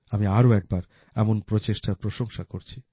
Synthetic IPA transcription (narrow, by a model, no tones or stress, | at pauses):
amiaɾoɛk̚baɾ | ɛmonpɾot͡ɕeʃʈapɾoʃoŋʃakoɾt͡ɕʰi